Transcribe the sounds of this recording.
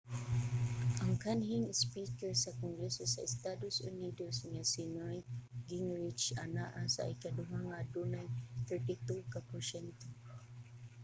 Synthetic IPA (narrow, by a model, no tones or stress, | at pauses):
ʔaŋkanɦiŋspikɛɹsakɔŋɡɾɛsɔsa̰ist̪adosṵnidosŋasinajɡiŋɹit͡ʃanaʔasa̰ʔikaduɦaŋadunajt̪ɛɹt̪it̪ukapɔɹsɛnt̪o